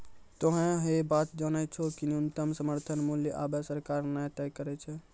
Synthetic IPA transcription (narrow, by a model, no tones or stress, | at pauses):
t̪oɦẽɦebat̪d͡ʒanɛt͡ʃʰokinunt̪əmsəməɾt̪ʰənmuljəʔabɛsəɾkaɾnajt̪ɛjkəɾɛt͡ʃʰɛ